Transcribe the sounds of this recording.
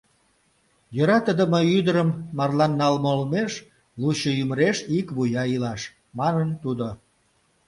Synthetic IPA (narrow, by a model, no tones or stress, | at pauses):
jøɾɑt̪əd̪əməyd̪əɾəmːɑrlɑnːɑlmoəlmeʃ | luɕəyməɾeʃikβujɑilɑʃ | mɑnənt̪ud̪o